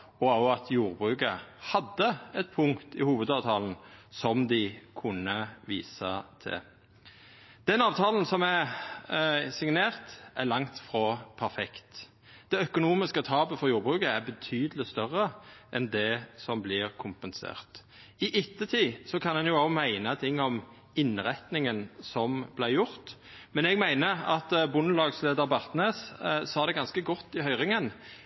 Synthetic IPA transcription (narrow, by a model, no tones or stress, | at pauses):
ɔɑɑt̪ʰjuːʁbʁʉːkəhɑd̪ːəɛt̪̚pʰʊŋkt̪ɪhuːʋəd̪ɑːʋt̪ʰɑːln̩sɔmd̪ɪkʰʊnəʋḭːsət̪ʰɪ̰ | d̪̥ɛnɑːʋt̪ʰɑːln̩sɔmæ | sɪŋneːʁt̪ʔælɑŋt̪fʁopʰæʁfɛkt̪ | d̪̥ɛœkʊnuːmɪskət̪ʰɑːbəfɔʁjuːʁbʁʉːkəæɾbət̪ʰyːd̪əlɪst̪œʁəʔɛnd̪ɛsɔmblɪʁkʰʊmpənsḛːʁt̪ | ɪʔɪt̪ːət̪ʰiːsɔkʰɑnɛnjʊoːmæɪnət̪ʰɪŋːɔm | ɪnʁɛt̪nɪŋənsɔmb̥læɪjʊʁt̪ | mɛnɛɡmæɪnəɑt̪bʊnːəlɑːɡsleːd̪əɾbɑʁt̪neːssɑːd̪ɛɡɑnskəɡɔt̪ːɪɦœʏʁɪŋən